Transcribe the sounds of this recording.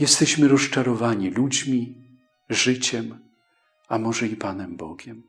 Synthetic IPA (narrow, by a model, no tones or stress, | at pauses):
jɛst̪ɛɕmɘɾɔst͡ʂaɾɔvaɲilud͡ʑmʲi | ʐɘt͡ɕɛm | amɔʐɛipanɛmbɔ̰ɡʲɛm